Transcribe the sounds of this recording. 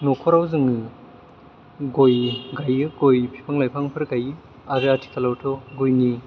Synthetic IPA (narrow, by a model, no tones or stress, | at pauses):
nokʰɔɾawzɯŋɯ | ɡojɡajɯɡojpʰi̥pʰaŋlajpʰaŋpʰɯɾɡajɯ | aɾɯatʰi̥kʰalawtʰɔɡojni